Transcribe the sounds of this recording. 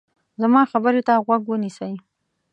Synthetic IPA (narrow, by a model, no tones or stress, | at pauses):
zamɑxabəɾet̪aɣwaɡwənisəj